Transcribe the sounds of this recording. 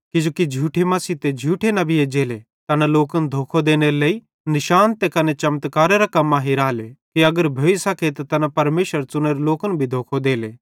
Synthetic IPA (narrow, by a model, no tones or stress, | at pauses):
kid͡ʒoːkid͡ʒʱuːʈʰemɐsit̪ed͡ʒʱuːʈʰenɐbʱied͡ʒeːle | t̪ɐnaloːkənd̪ʱoːkʰod̪eːneɾlei | nɪʃaːnt̪ekɐnet͡ʃɐmt̪kaːɾeɾakɐmːaɦiɾaːlekiɐɡəɾbʱoːisɐkʰet̪at̪ɐnapɐɾmeːʃəɾt͡ʃʊneɾeloːkənbʱid̪ʱoːkʰod̪eːleː